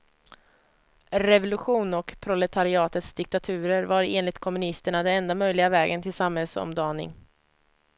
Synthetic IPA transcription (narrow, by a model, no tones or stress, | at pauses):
ɾɛvʊlɵɧuːnɔkpʰɾʊlɛt̪ʰaɾɪɑːt̪ət̪sd̪ɪk̚t̪at̪ʰʉ̟ːɾəɾvaɾeːnlɪt̪kʰɔmɵnɪst̪əɳad̪ɛnɛnd̪amœjlɪɡavɛːɡənt̪ʰɪlsamhɛlsɔ̰md̪ɑːnɪ̰ŋ